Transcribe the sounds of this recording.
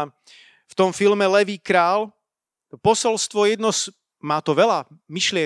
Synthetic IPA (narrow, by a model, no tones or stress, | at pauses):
ft̪ɔmfilmɛlɛʋiːkɾaːl | pɔsɛlst̪ʋɔjɛd̪nɔs | maːt̪ɔʋɛlamiʃlɪɛ